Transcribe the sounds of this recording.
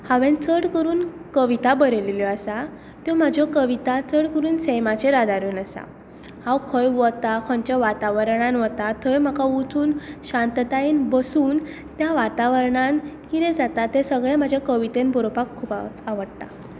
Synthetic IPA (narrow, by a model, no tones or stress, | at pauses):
haʋẽnt͡səɽkəɾuːnkəʋit̪abəɾeleljɔasa | t̪jɔmad͡ʑʱɔkəʋit̪at͡səɽkəɾuːnsɛmat͡ɕeɾad̪aɾuːnəsa̰ | hãwkʰəjʋɔt̪akʰɔ̃ɲt͡ɕjaʋat̪aʋəɾɳanʋɔt̪at̪ʰəjm̤akaut͡s̪ʰuːnɕãnt̪t̪ainbəsuːn | t̪jaʋat̪aʋəɾɳankiɾed͡zat̪at̪ẽsəɡɭẽmad͡ʑʱakəʋit̪enbɔɾopakʰːuːpaaʋəɽt̪a̰